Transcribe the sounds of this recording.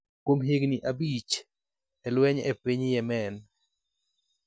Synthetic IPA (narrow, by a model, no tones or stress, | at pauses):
kwomɦeɡniʔabit͡ʃ | ɛlwɛɲɛ̰piɲjɛmɛn